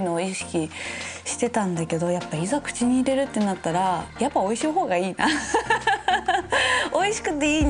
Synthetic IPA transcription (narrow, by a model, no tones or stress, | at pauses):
ino̞ːiɕi̥kʲiɕi̥t̪e̞t̪ãnd̪ake̞d̪o̞japːaizakɯ̟̥t͡ɕiɲ̟iːɾe̞ɾɯ̟t̪ːe̞nat̪ːaɾajapːao̞iɕiɦo̞ːɡaiːna | o̞iɕi̥kɯ̟t̪ːe̞iː